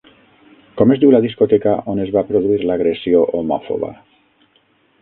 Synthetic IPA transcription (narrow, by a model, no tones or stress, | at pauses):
kɔmezðiwlaðiskot̪ekaʔonezβapɾoðuiɾlaɣ̞ɾesioʔomɔfo̰βa̰